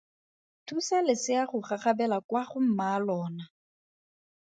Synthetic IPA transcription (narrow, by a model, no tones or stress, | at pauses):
tʰusalɪsɪaχʊχaχabɛlakwaχʊm̩malɔːna